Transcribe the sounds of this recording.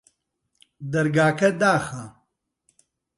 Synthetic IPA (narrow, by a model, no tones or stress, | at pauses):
d̪ɐɾɡaːkɐd̪aːxɐ